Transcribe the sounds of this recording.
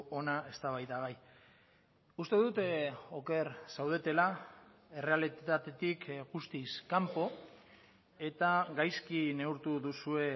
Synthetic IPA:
o̞nae̞st̪aβajðaɣaj | ust̪e̞ðut̪o̞ke̞ɾsawð̞et̪e̞la | e̞re̞alit̪at̪e̞t̪ikɣust̪iskampo̞ | e̞t̪aɡajskine̞uɾt̪uðusue̞

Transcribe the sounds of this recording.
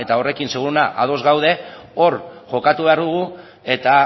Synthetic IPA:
e̞t̪ao̞re̞kinseɣ̞uɾunaʔaðo̞zɣawð̞e̞o̞ɾʝo̞kat̪uβe̞aɾðuɣ̞u | e̞t̪a

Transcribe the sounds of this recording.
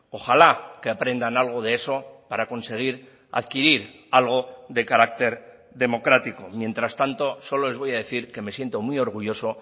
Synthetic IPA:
o̞xalakeapɾe̞nd̪analɣ̞o̞ð̞eeso̞paɾako̞nse̞ɣ̞iɾ | a̰ðkiɾiɾ | alɣ̞o̞ðe̞kaɾak̚t̪e̞ɾ | ðe̞mo̞kɾat̪iko̞mje̞nt̪ɾast̪ant̪o̞so̞lo̞zβo̞jað̞e̞θiɾke̞me̞sje̞nt̪o̞mio̞ɾɣ̞uʝo̞so̞

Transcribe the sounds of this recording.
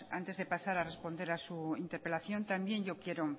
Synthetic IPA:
a̰nt̪e̞zðe̞pasaɾare̞spo̞nd̪e̞ɾasuint̪e̞ɾpe̞laθjo̞nt̪ambje̞nɲʝo̞kje̞ɾo

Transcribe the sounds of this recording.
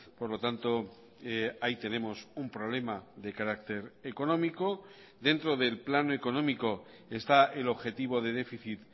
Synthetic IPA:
po̞ɾlo̞t̪ant̪o̞ | ait̪e̞ne̞mo̞sumpɾo̞β̞le̞maðe̞kaɾak̚t̪e̞ɾeko̞nõ̞miko̞ | d̪e̞nt̪ɾo̞ðe̞lplanoe̞ko̞nõ̞miko̞ | e̞st̪aʔe̞lo̞βxe̞t̪iβ̞o̞ðe̞ð̞e̞fiθit̪

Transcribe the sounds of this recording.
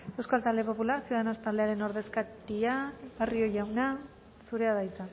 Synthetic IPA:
ewskoalt̪ald̪e̞po̞pulaɾsjuðanost̪ald̪e̞aɾe̞no̞ɾð̞e̞skat̪iaβario̞jawna | suɾe̞aðajt͡san

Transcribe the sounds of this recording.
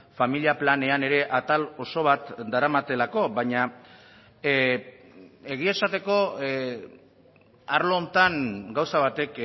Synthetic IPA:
familiaplane̞ane̞ɾe̞ʔat̪alo̞so̞β̞at̪d̪aɾamat̪e̞lako̞βaɲa | e̞ɣ̞ie̞sat̪e̞ko̞ | aɾloːnt̪aŋɡawsaβ̞at̪e̞k

